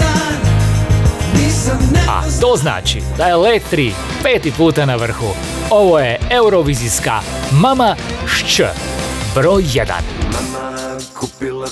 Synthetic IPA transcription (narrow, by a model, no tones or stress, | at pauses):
a̰t̪ozna̰ːt͡ʃḭd̪ajelet̪ːɾiː | peːt̪ipuːt̪anaʋr̩xu | oʋojeeuɾoʋiziska̰mamaʃt͡ʃə̰bɾojːed̪a̰n